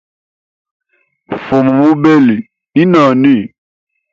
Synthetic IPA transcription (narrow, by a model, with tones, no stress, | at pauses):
fo˨mũ˨mũ˦be˦li˨ | nĩ˦nã˨nĩ˦˨